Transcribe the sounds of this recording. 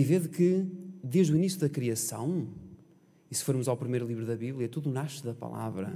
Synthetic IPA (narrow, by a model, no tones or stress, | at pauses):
iveðkɨd̪eʒðuinisjuðɐkɾiɐsɐ̃w̃ | isɨ̥foɾmuzawpɾimejɾulˠiβɾuðɐβiβlˠjɐɛt̪uðunaʃuðɐpɐ̰lˠa̰vɾɐ̰